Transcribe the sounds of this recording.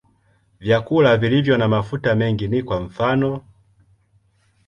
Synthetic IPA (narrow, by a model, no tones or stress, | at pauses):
vjakulavilivjɔnamafutamɛŋɡinikwaɱ̩fanɔ